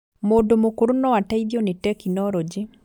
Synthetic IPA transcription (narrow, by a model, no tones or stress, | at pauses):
moːdomokuɾunɔwataiðjonetɛkinɔɾɔd͡ʒi